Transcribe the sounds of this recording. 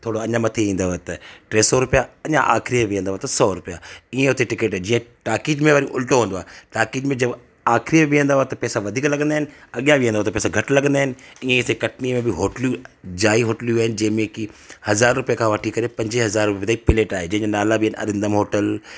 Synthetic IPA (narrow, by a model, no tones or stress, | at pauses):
t̪ʰoːɽoɐɲãmɐt̪ʰeĩːnd̪aoɦet̪ɐʈɾeːsɔɾʊpijaɐɲã̰ʔa̰ːkɾieʋĩə̃nd̪aɦoːet̪ɐsɔːɾʊpijaiẽɦʊt̪eʈɪkeːʈːd͡ʑiːə̃ʈaːkiːd͡ʑmẽʋaɾĩʔʊlʈoɦũːndoaːɦeʈaːkiːd͡ʑmẽd͡ʑɐb | aːxɾimẽʋiə̃nd̪aɦoːet̪ɐpɛːsaʋɐd̪ʱiːklɐɡə̃nd̪aɦɪnɪ̆ɐɠijãʋiə̃nd̪aɦet̪ɐpɛːsaɡʱɐʈlɐɡə̃nd̪aːɦɪnɪ̆iẽt̪ekɐʈnimẽbɪɦoːʈljud͡ʑaːiɦoːʈljuaːɦɪnɪ̆d͡ʑɐ̃ɦɪ̃mẽkihɐzaːɾːʊpijəkʰãʋəʈʰikɐɾepɐ̃ɲd͡ʑɪɦɐzaːɾːʊpijt̪aːipɪleːʈaːɦed͡ʑɐ̃ɪ̃ɲd͡ʑanaːlabɪnɐ̰ɾɪ̃nd̪əmɦoːʈəl